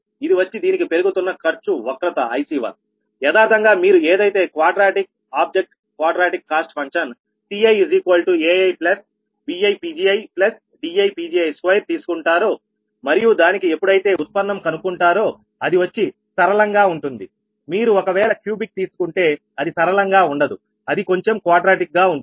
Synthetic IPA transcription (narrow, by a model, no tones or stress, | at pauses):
id̪iʋɐt͡ʃːid̪iːnikipe̞ɾuɡut̪unːɐkɐɾt͡ʃuʋɐkɾɐt̪ɐɐjsiːʋa̰ːl | jɛːd̪aːɾt̪ɐŋɡaːmiːɾueːd̪ɐjt̪e̞ːkʋaːɖɾaːʈik̚ | aːb̚d͡ʒek̚ʈ | kʋaːɖɾaːʈikːaːsʈfɐŋkʂɐn | siɐjziːkʋɐlʈueːɐjplɐs | biːɐjpiːd͡ʒiːɐjplɐs | ɖiɐjpiːd͡ʒiːɐjskʋɐjɾ̚t̪iːsu̥kuɳʈaːɾoː | mɐɾijud̪aːnikiepːuɽɐjt̪e̞ːut̪̚pɐnːɐmkɐnukuɳʈaːɾo̞ː | ɐd̪iʋɐt͡ʃːi | sɐɾɐlɐŋɡaːuɳʈund̪i | miːɾuɔkɐʋɛːɭɐkjuːbik̚t̪iːsu̥kuɳʈe̞ː | ɐd̪isɐɾɐlɐŋɡaːuɳɖɐd̪u | ɐd̪iko̞ɲt͡ʃemkʋaːɖɾaːʈik̚ɡaːuɳ